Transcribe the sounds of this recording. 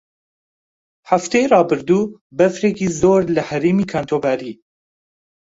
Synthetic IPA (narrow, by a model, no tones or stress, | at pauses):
haft̪ɛjrɑːbɨɾd̪uː | bɛfɾekiːzoːɾlɨhɛɾeːmiːkʰant̪ʰoːbæːɾiː